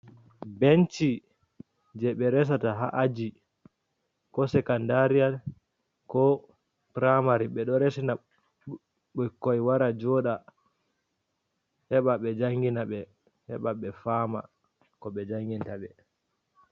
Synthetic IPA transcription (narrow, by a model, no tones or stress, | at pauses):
bent͡ʃi | d͡ʒɛɓɛɾɛs̬ataɦa̰ʔad͡ʒi | kɔsɛkandaɾial | kɔ | pɾamaɾiɓɛɗɔɾɛsina | ɓɔkːɔjwaɾad͡ʒɔɗa | hɛɓaɓɛd͡ʒaŋɡinaɓɛ | hɛ̰ɓaɓɛfaːma̰ | kɔɓɛd͡ʒaŋɡintaɓɛ